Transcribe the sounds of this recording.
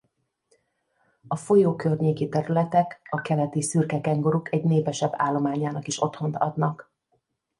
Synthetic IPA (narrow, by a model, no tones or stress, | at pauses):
ɒfo̞joːkørɲeːkit̪ɛɾylɛt̪ɛkɒkɛlɛt̪isyrkɛkɛŋɡo̞ɾukɛɟneːpɛʃɛbːa̰ːlːo̞maːɲaːnɒkiʃo̞t̪ho̞nt̪ɒ̰d̪nɒk